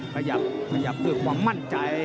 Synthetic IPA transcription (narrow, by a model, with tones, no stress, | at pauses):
kʰa˧ja˨˧˩p̚kʰa˧ja˨˧˩p̚kɯː˨˩k̚kʰwaː˧˥mːa˧˥˩nt͡ɕa˧j